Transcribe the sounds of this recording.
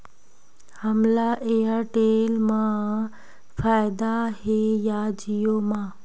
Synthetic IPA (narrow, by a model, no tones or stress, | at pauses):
hɐmlaʔeɦaʈeːlmã | faːɪd̪aɦeːjad͡ʑijomãː